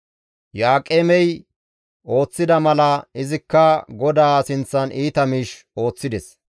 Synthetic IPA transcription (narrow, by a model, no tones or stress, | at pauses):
jaːkʼeːmɛj | o̞ːt͡sːɪd̪ɐmɐlɐɪzɪkːɐɡɔd̪aːsɪnt͡sːɐniːt̪ɐmiːʃ | o̞ːt͡sːɪd̪ɛs